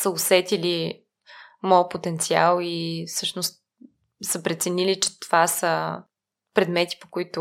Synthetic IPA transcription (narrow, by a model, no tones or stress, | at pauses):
səosɛt̪ili | mɔpot̪ɛnt̪sia̰lˠifsɤʃnʊst̪̚ | səpɾɛt̪sɛnilit͡ʃɛ̥t̪ovasə | pɾɛd̪mɛt̪i̥po̥koit̪ʊ